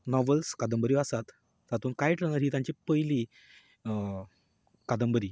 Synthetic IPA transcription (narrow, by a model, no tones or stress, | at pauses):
nɔʋəlskad̪əmbəɾiasat̪ | zat̪uːnkajʈlənaɾɦiːt̪jãɲt͡ɕipəjli | kad̪əmbəɾiː